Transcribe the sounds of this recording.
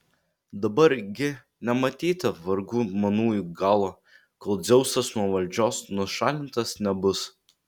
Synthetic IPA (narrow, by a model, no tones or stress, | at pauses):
d̪ɐbɐɾɡʲɪ | nʲɛmɐt̪ʲiːt̪ɐʋɐɾɡuːmɐnuːjuɡɑːlˠɐ | koːlˠd̪zʲɛʊsɐsnuɔʋɐlʲd͡ʒʲoːsnʊʃɑːlʲɪnt̪ɐsnʲɛbʊs